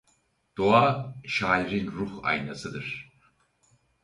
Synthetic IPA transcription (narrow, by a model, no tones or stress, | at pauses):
d̪̥oaːʃaːlɾinɾuha̰jnasɯd̪ɯɾ̥